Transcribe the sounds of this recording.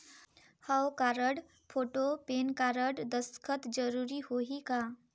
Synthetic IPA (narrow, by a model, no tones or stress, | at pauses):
həwkaːɾəɽ | pʰoːʈopeːnkaːɾəɽd̪əskʰət̪d͡ʒəɾuːɾihoɦikaː